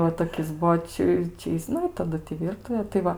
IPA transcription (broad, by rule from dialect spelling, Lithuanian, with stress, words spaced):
ʋɐ toːˈkʲɪs ˈbuɔ ˈt͡ʃʲɪ ˈt͡ʃʲɛ jɪs ˈnʊ ɪ tɐˈdʊ tʲɪ ˈʋʲiːrtʊʋʲeː tɐɪ ˈʋɐ